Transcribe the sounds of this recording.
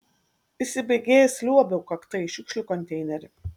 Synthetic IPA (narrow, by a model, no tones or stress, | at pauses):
ɪsʲɪbɐɪɡʲeːjɛsʲlʲuɔbʲɛʊkɐkt̪ɐɪʃʲʊkʃʲlʲukɔnʲt̪ʲɛɪnʲɛɾʲɪ